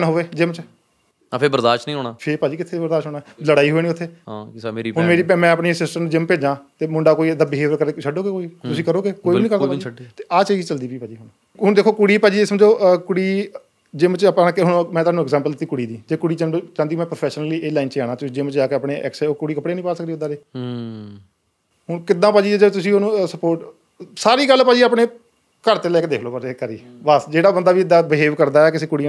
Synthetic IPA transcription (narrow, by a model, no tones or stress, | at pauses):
nɦoːʋeːd͡ʒeːmət͡ʃː | pʰɪbəɾd̪aːʃʈnĩɦoːnaːpʰɪɾpaːd͡ʒiːkɪt̪ʰebəɾd̪aːʃɦoːnaːləɽaːiːɦoːeːniːʊt̪ʰːeːɦaeːɾiɦʊɳmeːɾiːpɛ̃mɛ̃ːəpɳiːsɪsʈəmnũd͡ʒɪmpeːd͡ʒãːt̪eːmʊɳɖaːkoːiːed̪aːbɪɦeːʋəɾkəɾeːt͡ʃʰəɖoːɡeːkoːiːt̪ʊsĩːkəɾoːɡeːkoːiːiːnĩːkəɾd̪ait̪eːʔaːt͡ʃaːd͡ʒt͡ʃəld̪iːpiːpaːd͡ʒiːɦʊn | ɦʊɳd̪eːkʰːoːkʊɽiːpaːd͡ʒiːɪsməd͡ʒoːkʊɽiː | d͡ʒeːmət͡ʃːpakɦʊɳmɛ̃ːt̪aːnũɛɡzɛːmpəldɪt̪ːiːkʊɽiːd̪iːd͡ʒeːkʊɽiːt͡ʃːt͡ʃãnd̪iːmɛ̃ːpɾoːpʰɛːʃnəliːeːlaːɪint͡ʃːaːɽãːt̪ʊsĩːd͡ʒeːmət͡ʃd͡ʒaːkeapɽeːʔɛ̰ːksɛːoːkʊɽiːkəpɽeːnĩːpaːsək̚d̪iːʊd̪aːɾeː | ɦʊɳkɪd̪ãːpaːd͡ʒiːd͡ʒeːt̪ʊsĩːoːnũːsəpoːʈ | saːɾiːɡəlːpaːd͡ʒiːaːpɳeː | kəɾt̪eːlɛːkːd̪eːkʰloːpəɾeːkəɾiː | bəsd͡ʒeːɽaːbənd̪aːbiːɪd̪aːbɪɦeːʋkəɾd̪aːɛːkɪsẽːkʊɽiː